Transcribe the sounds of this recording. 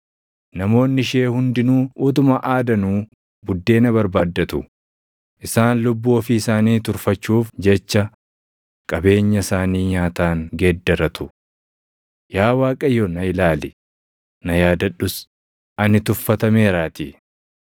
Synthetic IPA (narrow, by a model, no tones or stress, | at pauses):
nɐmo̞ːnːɪʃe̞ːhʊnd̪ɪnuːʔʊːt̪̬ʊmɐʔaːd̪ɐnuː | bʊd̪ːe̞ːnɐβɐɾbaːd̪ːɐt̪ʊ | ʔɪsaːnlʊbːuːɔfiɪsaːniːt̪ʊɾfɐt͡ʃːuːfd͡ʒɛt͡ʃːɐ | kʼɐbe̞ːɲːɐsaːniːɲaːt̪aːŋɡeːd̪ːɐɾɐt̪ʊ̥ | jaːwaːkʼɐjːɔnɐɪlaːlɪ | nɐjaːd̪ɐᶑʊs | ʔɐnɪt̪ʊfːɐt̪ɐme̞ːɾaːt̪i